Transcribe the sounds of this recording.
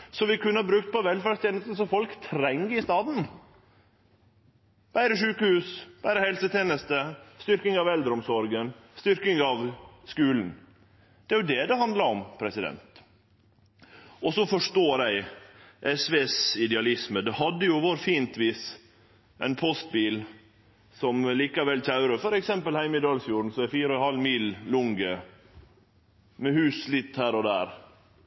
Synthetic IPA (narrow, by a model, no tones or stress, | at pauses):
sɔʋɪkʉnːəhɑbɾʉk̚t̪̚pɔʋɛlfæɾɖst̪ʰeːnəst̪n̩sɔfɔlkt̪ʰɾɛŋəɪst̪ɑːd̪n̩ | b̥æɪɾəʂʉːkəhʉːsb̥æɪɾəhɛlsət̪ʰjeːnəst̪əst̪ʏɾkɪŋɑʋɛld̪ɾəɔmsɔɾɡənst̪ʏɾkɪŋɑʋskʉːln̩ | d̪̥ɛæɾjʊd̪ɛd̪ɛhɑnd̪lɑɾɔmpʰɾɛsɪd̪ɛ̰nt̪ | ɔsɔfɔʂt̪oːɾæɪʔɛsʋeːsɪd̪ɛɑlɪsməd̪ɛɦɑd̪ːəjʊʋoɾfiːnt̪ʋiːs | ʔɛ̰ɪnpʰɔst̪̚biːl | sɔmliːkɑʋɛlc͡çɑʉɾəfɔɾɛksɛmpəlhæɪmɪd̪ɑːlfjuːɾn̩sɔæfiːɾəɔhɑlːmiːllʊŋɡə | mɛhʉːslɪt̪ːhæːɾɔd̪æːɾ